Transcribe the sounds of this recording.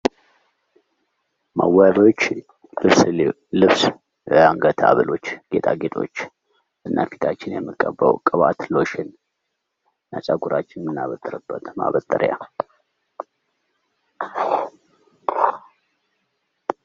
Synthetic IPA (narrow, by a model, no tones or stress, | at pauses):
məwːaβot͡ʃː | lɨβs | lɨβs | aŋɡət̪ʰa̰βəlo̞t͡ʃːɡ̥e̞t̪ʰʼaɡet̪ʰʼo̞t͡ʃː | ʔɨnːa̰fit̪ʰat͡ʃːɪnjɛmːɨkʼːəbːəwkʼəβat̪lo̞ʃɪn | nat͡ʃʼaɡuɾat͡ʃːɪnmɨnːaβət̪ʼɨɾɨbːət̪ma̰βət̪ʼːɨɾja